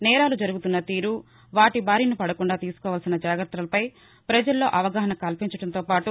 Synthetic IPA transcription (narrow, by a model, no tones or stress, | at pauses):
nɛːɾaːlud͡ʒɐɾuɡut̪unːɐt̪iːɾu | ʋaːʈibʱaːɾiːnipɐɽɐkuɳɖaːt̪iːsu̥kɔːʋaːlsinɐd͡ʒaːɡɾɐt̪ɾɐlɐpɐj | pɾɐd͡ʒɐlːo̞̰ːʔɐʋɐɡaːɦɐɳɐkɐlpiɲt͡ʃɐɽɐnt̪o̞ːpaːʈu